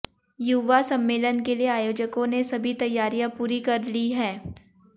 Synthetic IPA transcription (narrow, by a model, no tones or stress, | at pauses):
juʋasɐ̃mːeːlənkelieaːjoːd͡ʒəkõnesɐbʱit̪ɐjːaːɾijãpuːɾikɐɾliɦɛː